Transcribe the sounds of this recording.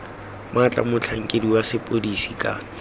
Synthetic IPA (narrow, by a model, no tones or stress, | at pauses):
mʊat͡ɬʼa̰mʊt͡ɬʰaŋ̩kʼediwasɪpʼodisikʼa̰ːnɛ